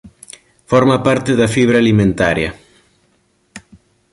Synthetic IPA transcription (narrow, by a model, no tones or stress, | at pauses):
foɾmapaɾt̪eðafiβ̞ɾalimẽnt̪aɾja̰